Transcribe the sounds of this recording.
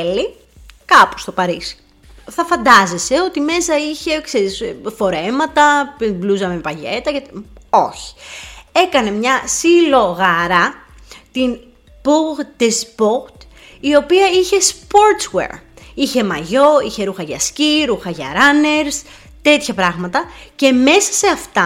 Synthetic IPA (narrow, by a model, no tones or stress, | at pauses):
li | kɐpo̥st̪o̞pɐɾisi̥ | θɐfɐnd̪ɐzese̞o̞t̪ime̞sɐiçe̞kseɾisfo̞ɾe̞mɐt̪ɐpbluzɐmepɐʝḛt̪ɐceo̞çi̥e̞kɐne̞mɲɐsilo̞ɣɐɾɐ | t̪in | puɣd̪espoxt̪ | io̞piɐiçe̞spo̞ɾt̪swḛɾiçe̞mɐʝo̞içe̞ɾuxɐʝɐ̰sciɾuxɐʝɐ̰ɾɐne̞ɾs | t̪e̞t̪çɐpɾɐɣmɐt̪ɐce̞me̞sɐ̥se̞ɐft̪ɐ